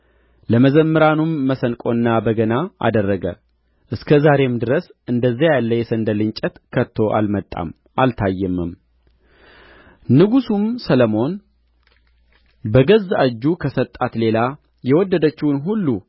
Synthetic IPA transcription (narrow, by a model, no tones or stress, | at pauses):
ləməzəmːɨɾanumːəsənkʼo̞nːabəɡənaʔa̰d̪ərːəɡə̰ | ʔɨskʰəzaɾe̞md̪ɨɾəsɨnd̪əzːajalːəjɛsənd̪əlɨɲt͡ʃʼət̪kʰət̪ʰːo̞ʔa̰lmət̪ʼːa̰m | ʔalt̪ʰajːɛmːɨm | nɨɡusumsələmo̞n | bəɡəzad͡ʒːukʰəsət̪ʼːat̪le̞la | jɛwɔd̪ːəd̪ət͡ʃːɪwnɦulːu